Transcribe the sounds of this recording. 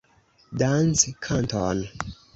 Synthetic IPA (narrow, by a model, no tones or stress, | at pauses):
danskʰantʰon